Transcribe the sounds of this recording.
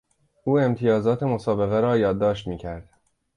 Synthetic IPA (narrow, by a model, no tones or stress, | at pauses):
ʔuːe̞mt̪ʰijɒːzɒːt̪ʰe̞mo̞sɒːbe̞ɣeɾɒːjɒːd̪ːɒːʃt̪miːcʰæɾd̪̥